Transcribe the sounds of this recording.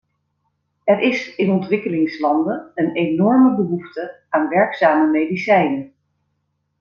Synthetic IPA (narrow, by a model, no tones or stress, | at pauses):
ɛɹʔɪsɪnɔntʋɪkəlɪŋslɑndəənejnɔɹməbəɦuftə | aːnʋɛɹksaːməmejdisɛjnən